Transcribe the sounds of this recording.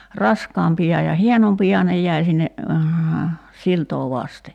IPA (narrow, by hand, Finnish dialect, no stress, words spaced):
rɑskɑːmpiɑ jɑ hienompiɑ nej jæi sinːe siltoː ʋɑste